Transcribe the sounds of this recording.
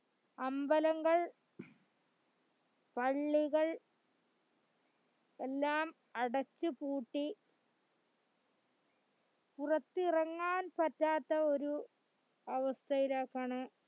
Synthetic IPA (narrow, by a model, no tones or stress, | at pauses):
ɐmbɐlɐŋɡɐɭ | pɐɭːiɣɐɭ | elːaːm | ɐɽɐt͡ɕːɨpuːʈːi | purɐt̪ːirɐŋːaːnpɐtːaːt̪ːɐo̞ɾu | ɐʋɐst̪ʰɐiɾaːkːaːɳɨ